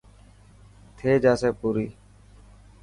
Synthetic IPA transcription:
t̪ʰeːd͡ʒaːseːpuːɾiː

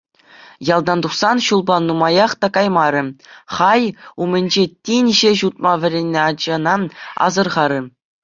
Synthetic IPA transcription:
jɑlˠd̪ɑnd̪uχsɑnɕulˠbɑnːumɑjɑχt̪ɑkɑjmɑɾʲɘ̆χɑjumʲɘ̆nʲd͡ʑetʲinʲʑɘʑut̪̚mɑʋʲɘ̆ɾʲenʲːeɑd͡ʑɑ̆nɑnɑ̰zɤ̆rʁɑɾʲɘ̆

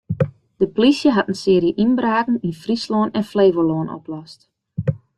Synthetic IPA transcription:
d̥əplisjəɦatənsɪːɾjəʔinbraːkn̩infrisloːnɛnfleːvəloːnʔɔ̰plɔst

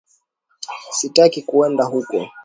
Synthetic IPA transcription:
sitakikuɛndaɦukɔ̰

